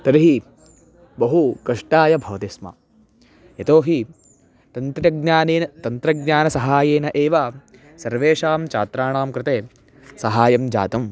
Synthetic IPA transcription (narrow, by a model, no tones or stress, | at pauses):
t̪ɐɾiɦi | bɐɦukɐʂʈaːjɐbʱɐʋɐt̪ismɐ̰ | jɐt̪oːɦi | t̪ɐnt̪ɾɐɡnaːneːnɐt̪ɐnt̪ɾɐɡɲaːnɐsɐɦaːjeːnɐʔeːʋaː | sɐɾʋeːʂaːmt͡ʃa̰ːt̪ɾaːɳaːmkɾɪt̪eː | sɐɦaːjɐmd͡ʒa̰ːt̪ɐm